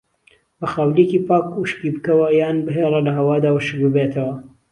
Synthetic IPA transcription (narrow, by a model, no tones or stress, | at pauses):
bɐxaːwljekipaːkuʃkiːbɨkɐwɐjaːnbɐɦeːrˤɐlɐɦɐwaːd̪aːwɐʃɨk̚bɨbet̪ʰɐwɐ